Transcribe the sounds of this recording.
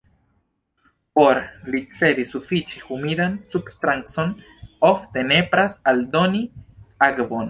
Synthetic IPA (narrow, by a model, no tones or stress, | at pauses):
po̞ɾlit͡se̞disufit͡ʃehumidansubst̪ɾaŋt͡so̞n | o̞fte̞ne̞pɾasaldo̞niaɡbo̞n